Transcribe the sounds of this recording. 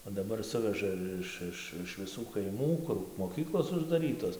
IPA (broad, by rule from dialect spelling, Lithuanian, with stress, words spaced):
oː dɐˈbɐr ˈsʊʋʲɛʒɐ ˈɪʃ ˈɪʃ ɪʃ ʋʲɪˈsuː kɐɪˈmuː ˈkʊr moːˈkʲiːklˠoːs ʊʒdɐˈrʲiːtoːs